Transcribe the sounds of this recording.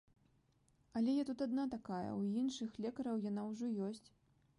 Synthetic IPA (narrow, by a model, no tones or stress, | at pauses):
ɐlʲɛjɛt̪ut̪ad̪nat̪akajɐ̰winʂɨxlʲɛkɐɾɐwjan̪awʐɔjɔsʲt͡sʲ